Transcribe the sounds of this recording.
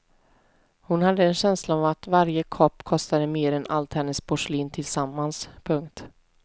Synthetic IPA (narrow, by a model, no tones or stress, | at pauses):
hʊnhad̪ːəɛnɕɛnslaavat̪vaɾjəkʰɔpːkʰɔst̪ad̪əmeːɾɛnalt̪hɛnːəspʰɔʂliːnt̪ʰɪlsamːanspʰɵŋkt̪